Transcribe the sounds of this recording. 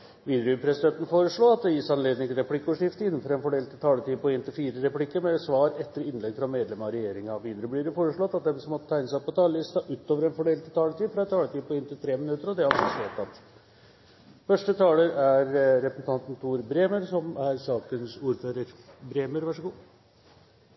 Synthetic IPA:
ʋiːd̪ɾʉpʰɾɛsɪd̪ɛnt̪n̩foːɾəʂɭoːɑt̪̚d̪ɛjɪsɑnleːd̪ɪŋt̪ʰɪɾɛpʰlɪkːəɔːʂɪft̪əɪnːn̩fɔɾɛnfɔɖeːlt̪ʰɪt̪ʰɑːlət̪ʰiːd̪pɔɪnt̪ʰɪlfiːɾəɾɛplɪkːəɾmɛsʋɑːɾɛt̪ːəɾəɪnlɛɡfɾɑmeːd̪lɛmɑɔɾɛjeːɾɪŋɑʋiːd̪ɾəblɪɖɛfoːɾəʂɭɔt̪ːɑt̪̚d̪ɛsɔmɔt̪ːət̪ʰæɪnəsæpɔt̪ʰɑːləlɪst̪ɑʔʉːt̪ːoːʋəɾɛnfɔɖeːlt̪ʰɪt̪ɑːlət̪ʰiːfɾɑɛnt̪ʰɑːlət̪iːpɔɪnt̪ɪlt̪ʰɾeːmɪnʉt̪ːəɾɔd̪ɛhɑɾɔssɛt̪ːɑt̪ | fœʂʈət̪ʰɑːləɾæɾːɛpəsn̩t̪ʰɑnt̪n̩t̪ʰuːɾbɾeːməɾsɔmæɾsɑːkənsuːɾføːɾəɾbɾeːməɾʋɑʂəɡuː

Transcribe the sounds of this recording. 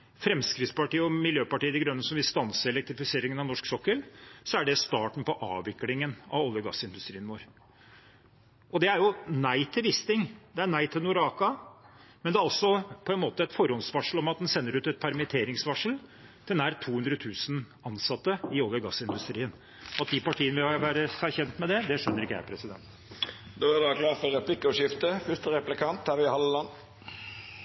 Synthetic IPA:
fɾɛmskɾɪt̪spɑʈiːəɔmɪljøːpɑʈiːəd̪ɛɡɾœnːəsɔmʋɪlst̪ɑnsəɛlɛk̚t̪ɾɪfɪseːɾɪŋənɑnɔʂksɔkːəlsɔæɖɛst̪ɑːʈɳ̩pɔʔɑ̰ːʋɪklɪŋənɑ̰ʋɔljəɡɑ̰sːɪnd̪ʉst̪ɾiːənʋoːɾ | ʔɔd̪ɛæɾjʊnæɪt̪ʰɪlʋɪst̪ɪŋd̪ɛæɳæɪt̪ʰɪlnʊɾɑːkɑmɛnd̪ɛæɾɑlsɔpʰɔɛnmoːt̪əɛt̪fɔɾɔnsʋɑʂəɭ̩ɔmɑt̪̚d̪ɛnsɛnːəɾʉːt̪ɛt̪̚pʰæɾmɪt̪ʰeːɾɪŋsʋɑʂəld̪̥ʰɪnæːɾt̪ʰuːhʉnd̪ɾət̪ʰʉːsn | ɑnsɑt̪ːəɪoːɡ̪əɡɑsːɪnd̪ʉst̪ɾiːən | ɑt̪̚d̪ɪpɑʈʰiːənəʋɪhɑɾʋæːɾəæçɛnt̪mɛd̪ɛd̪ɛʂœnːəɾɪkːjæ̰ɪpʰɾɛsɪd̪ɛ̰nt̪ | d̪oːæd̪ɑklɑːfɔɾɛplɪkʊʂɪft̪əfʏst̪əɾɛplɪkʰɑnt̪hæɾʋɪhɑləlɑn

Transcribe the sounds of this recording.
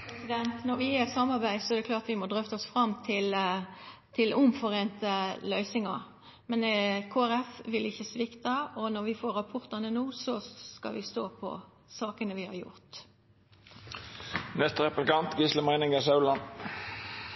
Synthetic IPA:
sɪd̪ɛnt̪nɔɾʋɪɛsɑmːɑʁbæɪsɔɛɾd̪ɛklɑːʁt̪ʋɪmɔd̪ʁœft̪əɔsfɾɑmt̪ʰɪl | t̪ʰɪlʊmfɔʁeːnt̪əlœʏsɪŋɑ | mɛnkʰoːæɾɛfʋɪlɪçːəsʋɪkt̪əɔnɔɾʋɪfoːɾɑpʰɔʁt̪ɑnənuːsɔskɑ̰lʋɪst̪o̰ːpʰɔ̰ | sɑːkənəʋɪhɑ̰ɾjʊ̰ʁt̪ | nɛst̪əʁɛplɪkɑnt̪ɡisləmæɪnɪŋəsɑʉlɑn

